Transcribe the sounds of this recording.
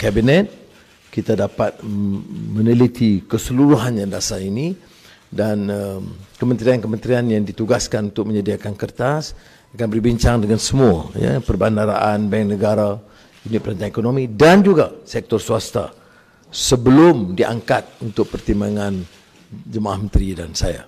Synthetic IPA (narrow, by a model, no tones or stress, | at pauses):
kabinɛt̪̚ | kit̪adapat̪̚mə̃nilit̪ʰikəsəluɾuɦanɲãdasaini | danəmkəmə̃nt̪ɾiankəmənt̪ɾianjaŋdit̪uɡaskanunt̪ʊk̚mə̃ɲadiakankərt̪as | akanbərbiɲt͡ʃaŋdəŋansəmua̰ja̰pərbandaɾaʔanbɛŋnəɡaɾa | unɪpəɾant̪anekonomidand͡ʒuɡasɛk̚t̪ɔrsuast̪a̰ | səbəlʊmdia̰ŋkat̪̚unt̪ʊk̚pərt̪imbaŋan | d͡ʒəmaʔahmənt̪ɾidansaja̰